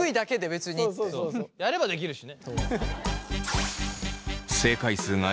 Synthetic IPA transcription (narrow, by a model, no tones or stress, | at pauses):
ɯid̪ake̞d̪e̞be̞t͡sɨɲ̟isjaɾe̞bad̪e̞kʲiɾɯ̟ɕine | se̞ːkaisɨːŋa